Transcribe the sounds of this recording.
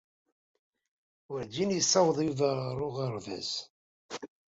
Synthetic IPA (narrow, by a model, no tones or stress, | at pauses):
wəɾd̪injəsˤːɑwəðˤjuvəɾɾˤʊʁəɾˤvæ̰z